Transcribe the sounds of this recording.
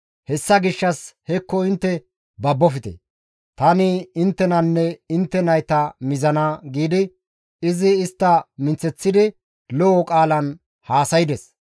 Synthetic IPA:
hɛsːɐɡɪʃːɐshɛkːɔɪnt̪ːɛ | bɐbːɔfɪt̪ɛ̰ | t̪ɐnɪɪnt̪ːɛnɐnːɛɪnt̪ːɛnɐjt̪ɐmɪzɐnaɡiːd̪ɪ | ɪzɪːst̪ːɐmɪnt͡sːɛt͡sːɪd̪ɪ | lɔɔkʼaːlɐn | haːsɐjɪd̪ɛs

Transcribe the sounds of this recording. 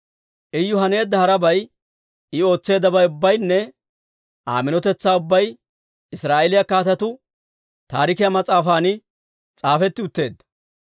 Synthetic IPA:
ʔɪjːʊɦɐne̞ːd̪ːɐhɐɾɐbɐj | ɪo̞ːt͡sːe̞ːd̪ːɐbɐjʊbːɐjnːɛ | ʔa̰ːmɪnɔt̪ɛt͡sːaːʊbːɐj | ɪsɾaːʔelɪjɐkaːt̪ɐt̪ʊ | t̪aːɾɪkɪjɐmɐt͡sʼaːfaːnɪ | t͡sʼaːfɛt̪ːɪʊt̪ːe̞ːd̪ːɐ̥

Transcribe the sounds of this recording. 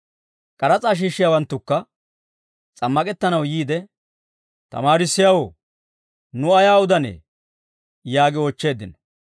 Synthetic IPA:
kʼɐɾɐt͡sʼaːʃ̬iːʃːɪjaːwɐnt̪ːʊkːɐ | t͡sʼɐmːɐkʼɛt̪ːɐnɐwjiːd̪ɛ | t̪ɐ̰maːɾɪsːɪjawoː | nʊɐjaːʊd̪ɐnḛː | jaːɡɪɔt͡ʃːe̞ːd̪ːɪnɐ

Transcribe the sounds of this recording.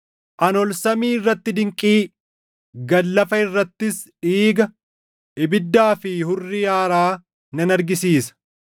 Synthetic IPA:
ʔɐnɔlsɐmiːɪrːɐt̪ːɪd̪ɪŋkʼiː | ɡɐlːɐfɐɪrːɐt̪ːɪsᶑiːɡɐ | ʔɪbɪd̪ːaːfɪhʊrːɪjaːɾaː | nɐnɐɾɡɪsiːsɐ̥

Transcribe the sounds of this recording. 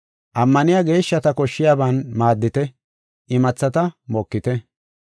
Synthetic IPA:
ʔɐmːɐnɪjaːɡe̞ːʃːɐt̪ɐkɔʃːɪjaːbɐnmaːd̪ːɪt̪ɛ | ʔɪmɐt͡sːɐt̪ɐmɔkːɪt̪ɛ

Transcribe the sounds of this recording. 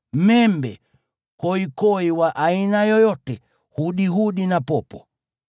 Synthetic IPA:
mɛmbɛ | kɔikɔiwaʔainajɔjɔtɛ | huɗiɦuɗinapɔpɔ

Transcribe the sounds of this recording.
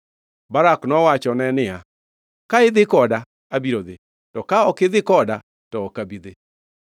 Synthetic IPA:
baɾaknɔwat͡ʃɔnɛnɪa | kaɪðɪkɔda | abiɾoðe | tɔkaɔkɪðɪkɔda | tɔːkabiðe

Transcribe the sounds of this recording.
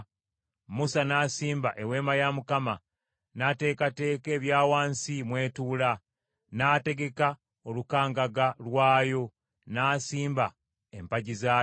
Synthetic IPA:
musanaːsiːmbaʔe̞we̞ːmajamukama | nate̞ːkate̞ːke̞ːβjaːwaːnsimwe̞ːtuːla | naːte̞ɡe̞ka | o̞lukaːŋɡaɡalwaːjo̞ | naːsiːmba | empaɟizaː

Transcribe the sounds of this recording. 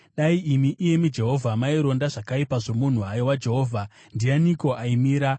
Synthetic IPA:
ɗaiimiʔije̞mid͡ʒe̞ɦo̞vʱamaiɾo̞ndaʐakaipaʐo̞mun̤uɦajowad͡ʒe̞ɦo̞ːvʱa | ndianiko̞aimiːɾa

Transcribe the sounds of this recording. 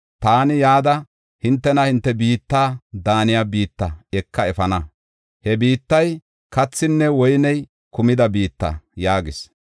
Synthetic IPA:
t̪aːnɪjaːd̪ɐ | hɪnt̪ːɛnɐhɪnt̪ːɛbiːt̪ːaːd̪aːnɪjaːbiːt̪ːɐɛkːɐɛfɐnɐ | hɛbiːt̪ːɐj | kɐt͡sːɪnːɛwɔjnɛj | kʊmɪd̪ɐbiːt̪ːɐ̰jaːɡɪs

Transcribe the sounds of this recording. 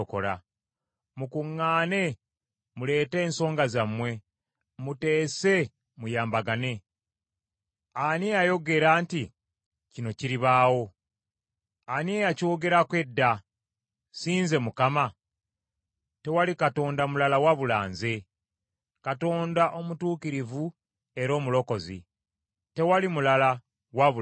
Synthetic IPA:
oko̞̰la̰ | mukuŋːaːne̞ | mule̞ːte̞ːnso̞ːŋɡazamːwe̞ | mute̞ːse̞ | mujaːmbaɡane̞ | aneajo̞ɡe̞ɾaːnti | cino̞ciɾiβaːwo̞ | aniejaco̞ːɡe̞ɾakwe̞dːa | siːnze̞mukama | te̞walikato̞ːndamulalawaβulaːnze̞ | kato̞ːndaʔo̞mutuːkiɾivu | e̞ɾo̞ːmulo̞ko̞zḭ | te̞walimulala | waβu

